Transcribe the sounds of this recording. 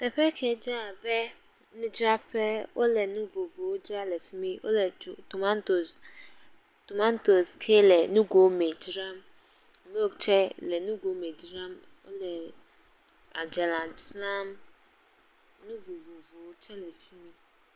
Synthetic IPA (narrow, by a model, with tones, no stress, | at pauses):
tɛ˨pɛ˦kʰɛ˨˦d͡ʒɾa˦˨bɛ˦ | nʊ̃˦d͡ʒɾa˦pɛ˦wʔo˦lɛ˨nʊ̃˦vo˨vo˨o˦d͡ʒɾa˦lɛ˨fi˦mĩ˦wʔo̰˦lɛ˨to˨mã˦nto˨s | to˨mã˦nto˨skʰe˦lɛ˨nʊ̃˦ɡo˨˦me˨d͡ʒɾã˦m˨ | me˦o˦˨t͡ʃʰɛ˦lɛ˨nũ˦ɡo˨˦me˨d͡ʒɾã˦m | o̰˦lɛ˨ | a˨d͡ʒɛ˨lã˨d͡ʒlã˦m | nʊ̃˦vo˨vo˨vo˨wt͡ʃʰɛ˦lɛ˨fi˦mĩ˦